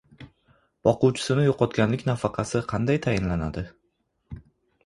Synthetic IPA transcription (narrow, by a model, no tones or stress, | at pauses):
b̥ɒqʊwt͡ʃʰɪ̥sɪnɪjoqʰɒt̪kʲanlɪkʲnafɑqʰɑsɪqʰɑnd̪ajt̪ʰajɪnlanad̪ɪ